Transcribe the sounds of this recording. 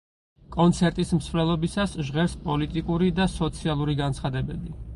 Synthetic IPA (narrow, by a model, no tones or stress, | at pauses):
kʼɔnt̪sʰɛɾt̪ʼismsvlɛlˠɔbisasʒʁɛɾspʼɔlit̪ʼikʼuɾid̪asɔt̪sʰialˠuɾiɡant̪sʰχad̪ɛbɛbi